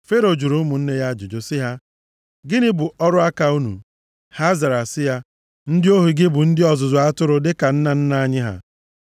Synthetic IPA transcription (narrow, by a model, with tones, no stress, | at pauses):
fe˦ɾo˨d͡ʒu˨ɾu˨˦mʊ˨n̩˦ne˦ja˦d͡ʒʊ˨d͡ʒo˨sɪ˦ɦa˦ | ɡɪ˦nɪ˦bʊ˨ʔɔ˦ɾʊ˦a˦ka˨u˦nṵ˨ | ha˦za˨ɾa˨sɪ˦ja˦ | n̩˦dɪ˦o˦ɦu˨ɡɪ˦bʊ˨n̩˦dɪ˦ɔ˨zʊ˨zʊ˨a˦tʊ˦ɾʊ˦dɪ˦ka˨n̩˦na˨n̩˦na˦a˦ɲɪ˦ɦa̰˨